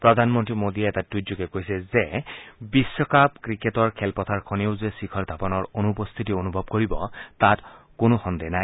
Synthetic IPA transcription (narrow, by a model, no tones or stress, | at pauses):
pɹɔd̪ʱanmɔntɹimodiɛɛtatuuɡɛkojsɛzɛbisːɔkap̚kɹiketɔɹkʰɛlpɔtʰaɹkʰɔneʊzesikʰɔld̪ʱapɔnɔɹonupɔst̪ʰitionubʱɔb̚koɹibɔtat | konoxɔndɛjnaj